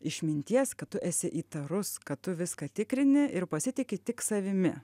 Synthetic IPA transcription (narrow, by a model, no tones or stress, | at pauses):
ɪʃʲmʲɪnʲt̪ʲiɛskɐt̪tʊʔɛsʲɪʔiːt̪ɐɾʊskɐtt̪ʊʋʲɪskɐːt̪ʲɪkɾʲɪnʲɪʔɪɾpɐsʲɪt̪ʲɪkʲɪt̪ʲɪksɐʋʲɪmʲɪ